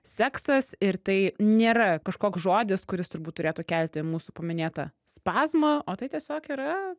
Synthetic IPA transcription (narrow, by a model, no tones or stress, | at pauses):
sʲæːksɐsɪɾt̪ɐɪnʲeːɾɐkɐʃkoːksʒoːd̪ʲɪskʊɾʲɪst̪ʊɾbuːt̪t̪ːʊɾʲeːt̪ʊkʲɛlʲt̪ʲɪmuːsʊpɐmʲɪnʲeːt̪ɐ̰spɑːzmɐoːt̪ɐɪt̪ʲiɛsʲoːkiːɾɐ